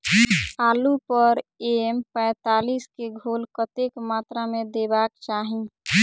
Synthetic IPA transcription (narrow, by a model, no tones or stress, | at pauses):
aːlupəɾempɛ̃ːt̪aːliːskeɡʱoːlkət̪ekmaːt̪ɾamẽd̪ebaːkt͡ʃaːɦĩ